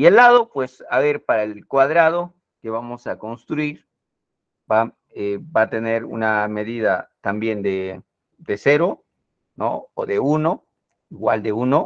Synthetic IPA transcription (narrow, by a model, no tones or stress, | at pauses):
ielːaðo̞pwe̞saβe̞ɾpaɾaelkwaðɾað̞o̞ | ke̞βamo̞sako̞nst̪ɾuiɾ | ba | ebat̪e̞ne̞ɾṵname̞ðiðat̪ambje̞nd̪e | d̪e̞se̞ɾo̞ | no̰o̰ðe̞uno̞ | iɣwa̰ld̪e̞uno̞